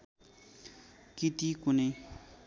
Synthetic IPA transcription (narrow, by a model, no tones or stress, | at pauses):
kit̪ikune